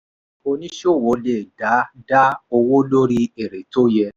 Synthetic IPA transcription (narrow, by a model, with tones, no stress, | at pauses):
o˧nĩ˦ʃo˦˨wo˨˦le˦˨da˨˦da˦o˧wo˦lo˦ɾi˦e˨ɾe˨to˦jɛ˧